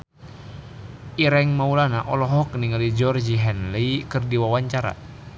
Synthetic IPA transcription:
ʔiɾɛŋmaulanaʔɔlɔɦɔk̚niŋalid͡ʒɔrd͡ʒiɦɛnleikɨrdiwawaɲt͡ʃaɾa̰

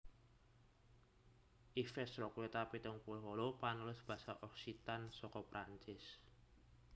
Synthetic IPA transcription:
ʔifɛsɾɔkwet̪apit̪əŋpulɦolopanulʊsb̥asaʔɔksit̪ansɔkɔpɾaɲt͡ʃɪs

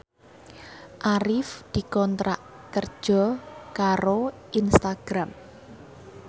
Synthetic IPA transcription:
ʔaɾɪfd̪̥i̤kɔnt̪ɾaʔ | kərd̥ʒ̥ɔkaɾoʔinst̪aɡ̥ɾam

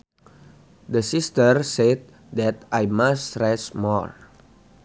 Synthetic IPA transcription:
dəsist̪ərset̪̚ | dɛt̪ʔajmastɾɛsmɔɹ

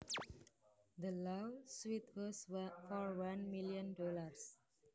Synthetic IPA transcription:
d̪əlaswit̪wəsfɔɾwʌ̃nmiliə̃nɖɔːləɾs

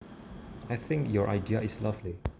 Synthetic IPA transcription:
ajθɪ̃ŋkjɔɹʔa̰ɪdiəislavli

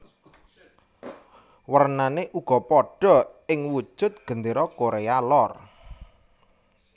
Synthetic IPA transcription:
wərnaneʔuɡ̥ɔ̤pɔɖ̥ɔ̤ɪŋwu̥ʒ̥ʊ̤t̪̚ɡ̥ə̤nd̪eɾɔkoɾealɔr

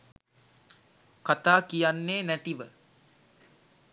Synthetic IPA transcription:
kat̪aːkijanːeːnæt̪iʋə

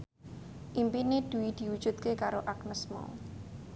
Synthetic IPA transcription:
ʔimpined̪̥ṳwid̪̥i̤wud̥ʒ̥ṳt̪̚kekaɾoʔaknəsmɔ̰

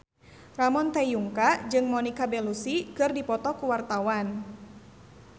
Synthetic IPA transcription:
ramɔnt̪ɛjuŋkad͡ʒɨŋmɔnikabɛlusikɨrdipɔt̪ɔkuwart̪awan

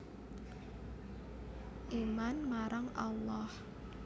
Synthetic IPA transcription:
ʔimanmaɾaŋalːɔh

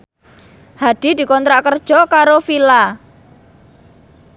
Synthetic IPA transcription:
had̪̥i̤d̪̥i̤kɔnt̪ɾaʔkərd̥ʒ̥ɔ̤kaɾofila

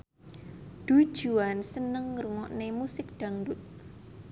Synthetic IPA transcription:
d̪̥ṳ̥ʒ̥uansənəŋɾuŋɔʔnemusɪk̚d̪̥a̤ŋdʊt̪̚

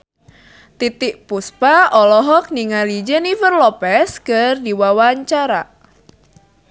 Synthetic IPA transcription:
t̪it̪ɪʔpuspaɔlɔɦɔk̚niŋalid͡ʒenivərlɔpɛskɨrdiwawaɲt͡ʃaɾa

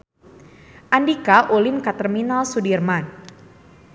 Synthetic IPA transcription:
ʔandikaʔolimkat̪ərminalsudirman

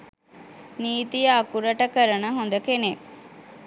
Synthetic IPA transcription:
niːt̪ijaːkuɾɐʈəkəɾənəɦond̪əkene

